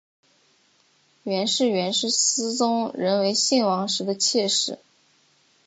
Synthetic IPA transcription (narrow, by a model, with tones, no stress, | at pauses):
ɥɛ˧˥nʂɻ̩˥˩ɥɛ˧˥nʂɻ̩˥˩sɹ̩˥t͡sʊ˥ŋɻə˧˥nwe˧˥ɪɕi˥˩nwɑ˧˥ŋʂɻ̩˧˥d̪ə˧t͡ɕʰjɛ˥˧ʂɻ̩˥˩